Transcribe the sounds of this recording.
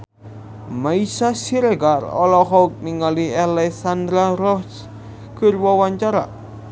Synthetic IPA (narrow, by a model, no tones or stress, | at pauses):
maisasiɾeɡarɔ̰lɔhɔuk̚niŋalialɛksand̪ɾaɾɔhs | ɡ̥ərwɔwaɲt͡ʃaɾa̰